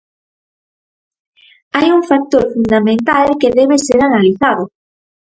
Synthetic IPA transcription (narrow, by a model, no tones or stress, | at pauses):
ajuŋfak̚t̪oɾfund̪amẽnt̪alkeðɛβeseɾanaliθaðʊ